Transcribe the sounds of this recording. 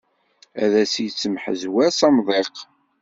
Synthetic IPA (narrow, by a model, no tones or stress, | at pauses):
æ̰ðæsjt͡sːəmħə̰zwæsɑmðˤeq